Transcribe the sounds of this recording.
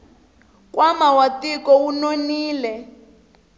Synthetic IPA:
kwʔamawatikɔunoniːlɛ

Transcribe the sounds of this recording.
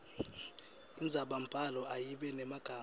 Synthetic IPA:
ind͡zʱaɓampʼalɔʔajiɓɛnɛmaɡ̥ʱaː

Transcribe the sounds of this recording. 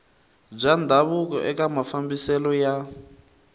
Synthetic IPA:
b͡ʐʷand̪ʱaβukɔ̰ʔɛkʼamafambisɛlɔja

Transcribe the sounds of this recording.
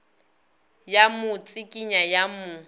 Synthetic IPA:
jamʊt͡sʼɪkʼiɲajamʊ

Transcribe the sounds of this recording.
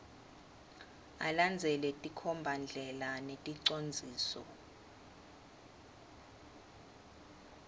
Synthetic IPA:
a̰land͡zʱɛlɛtʼikʰɔmbʱand͡ɮʱɛlanetʼiǀond͡zʱiːsɔ̰

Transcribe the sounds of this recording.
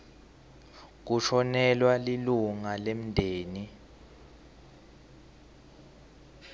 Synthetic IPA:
k̬uʃʰɔnɛlwaliluŋalem̩ndʱeːni

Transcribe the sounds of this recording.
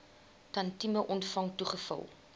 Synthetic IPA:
tɐntiməʔɔntfɐŋtuχəfɐ̰lˠ

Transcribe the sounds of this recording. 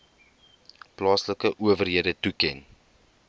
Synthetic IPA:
plɑːsləkəʔuəvərɦiədətukɛn

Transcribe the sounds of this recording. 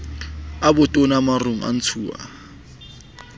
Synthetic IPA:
abʊtʼonamaroŋ̩ʔa̰n̩t͡sʰuːa̰

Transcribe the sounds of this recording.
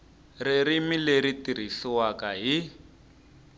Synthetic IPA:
reɾimileɾitiɾ̤isiwakaɦi

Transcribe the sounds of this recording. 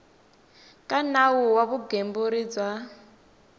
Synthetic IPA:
kʼanawuwaβuɡembuɾid͡zwa

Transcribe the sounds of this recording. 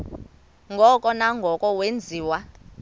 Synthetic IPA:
ŋɡʱɔkʼɔnaŋɡʱɔkʼɔwend͡zʱiːwa

